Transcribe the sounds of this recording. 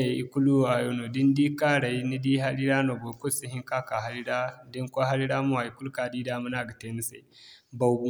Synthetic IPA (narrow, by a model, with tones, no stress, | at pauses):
a˨i˦ku˦lu˦a˨jo˦no˨di˦ndi˦ka˦ɾa˨i˦ni˦di˦ɦa˦li˦ɾa˦no˨ɡo˨ku˦˨si˦ɦi˦ŋka˦ka˨ɦa˦li˦ɾa˦di˦ŋkʷa˦ɦa˦ɾi˦ɾa˦mu˦wa˨i˨ku˦lu˦ka˨di˦da˦mu˦na˨ɡa˨te˨˦ni˦sḛ˨ba˦wbu˦